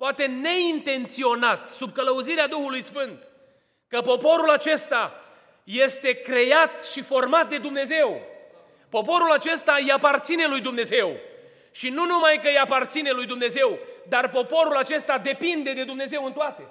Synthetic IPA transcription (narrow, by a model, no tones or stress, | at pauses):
poat̪e̞ne̞int̪e̞nt̪sio̞nat̪sub̚kələuziɾead̪uxulujsfɨnt̪ | kəpo̞po̞ɾulat͡ʃe̞st̪a | je̞st̪e̞kɾe̞jat̪ʃifo̞rmat̪̚d̪e̞d̪umne̞ze̞w | po̞po̞ɾulat͡ʃe̞st̪ajapart̪sine̞lujd̪umne̞ze̞w | ʃinunumajkəjapart̪sine̞lujd̪umne̞ze̞wd̪arpo̞po̞ɾulat͡ʃe̞st̪ad̪e̞pind̪e̞d̪e̞d̪umne̞ze̞wɨnt̪oat̪e̞